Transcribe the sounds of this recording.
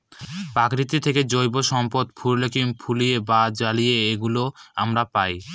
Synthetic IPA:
pakɾit̪it̪ʰeked͡ʑojboʃɔmpod̪pʰuɾlekimpʰulijebad͡ʑalijeeɡuloamɾapaj

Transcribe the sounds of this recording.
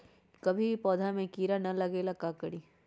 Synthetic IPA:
kɐbʱipɔːd̪ʱamẽkiːɾanɐlɐɡeːlakaːkəɽiː

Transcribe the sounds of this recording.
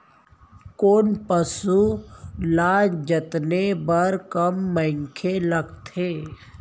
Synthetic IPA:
koːnpəsulaːd͡ʒət̪nebəɾkəmːɛ̃ɪŋkʰelɐɡt̪ʰeː

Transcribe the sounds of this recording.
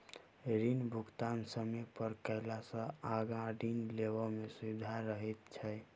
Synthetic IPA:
ɾinbʱukt̪ansəmepəɾkəɪlasə̃aɡãɖinleʋəmesud̪ʱaɾəɦɛt̪t͡ʃʰɛ

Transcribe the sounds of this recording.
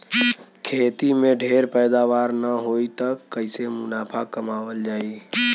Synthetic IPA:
kʰeːt̪imẽɖʱeɾpəjd̪aʋaːɾnəɦoit̪əkːəɪsemʊnaːpʰakəmaːʋəld͡ʒaːi

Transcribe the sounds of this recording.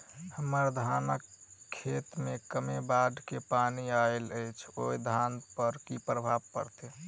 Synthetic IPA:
həməɾd̪ʱanəkʰːet̪mekəmebaɖkepaniaeləjt͡ʃʰoid̪ʱanpəɾkipɾəbʱabkəɾt̪e

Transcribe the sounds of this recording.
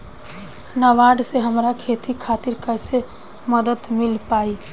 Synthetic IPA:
nəʋaɖseɦəmɾakʰet̪ikʰat̪iɾkəɪse | məd̪ət̪mɪlpaːi

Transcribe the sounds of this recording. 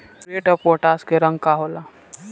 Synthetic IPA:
pɾeːʈəpoːʈaːskeɾə̃ŋɡkaɦola

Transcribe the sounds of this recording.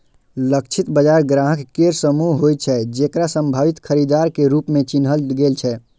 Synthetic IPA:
lək̚t͡ʃʰit̪bəd͡ʒaɾɡɾaɦəkːeɾsəmuɦɦojt͡ʃʰɛd͡ʒekɾasəmbʱabit̪kʰəɾid̪aɾkeɾupmet͡ʃinɦəlɡelt͡ʃʰɛ

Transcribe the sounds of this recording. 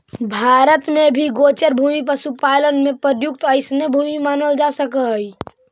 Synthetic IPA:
bʱaːɾət̪mebʱiɡoːt͡ʃəɾbʱuːmip̬əsupaːlənmẽpəɾjʊk̚t̪əɪsnebʱuːmimaːnəld͡ʒasəkəɦəj

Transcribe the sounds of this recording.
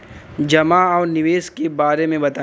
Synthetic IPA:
d͡ʒɐmaɔːɾnɪʋeːskebaːɾemẽbɐt̪a

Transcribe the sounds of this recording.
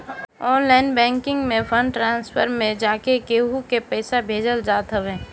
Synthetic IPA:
ɔːnlaːɪnbɛ̃ːŋkɪ̃ŋɡmẽpʰə̃ɳɖʈɾãːnspʰə̰ɾmẽd͡ʒaːkekeːɦukepɛːsabʱeːd͡ʒəld͡ʒaːt̪ɦəʋẽː

